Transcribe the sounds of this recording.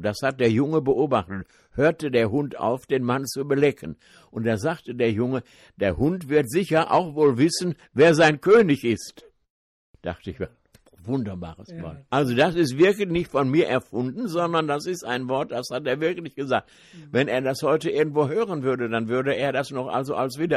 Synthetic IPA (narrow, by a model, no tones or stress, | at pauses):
d̥ashat̚d̥eːɐjʊŋəbəʔoːbaχtət | høːɐtədeːɐɦʊntʔa̰ʊfd̥eːnmant͡subəlɛkʰən | ʔʊnt̚d̥aːzaktədeːɐjʊŋə | d̥eːɐhʊntv̥ɪɐtz̥ɪçɐʔa̰ʊxvoːlvɪsn̩ | veːɐzaɪnkʰøːnɪçɪst | d̥a̰χtəɪçva | vʊndɐba̰ːʁəsma̰ːlʔalzodasɪstv̥ɪɐklçnɪçtfɔnmiːɐʔɛɐfʊndn̩zɔndɐndasɪstaɪnvɔɐt̚d̥ashat̚eːɐvɪɐklɪçɡ̥əzaːk̚t | vɛneːɐdashɔʏtəʔɪɐɡŋ̩tv̥oːhøːʁ̞ənvʏɐdədanvʏɐdəeːɐɾasnɔχʔa̰lzoʔa̰lsv̥iːdɐ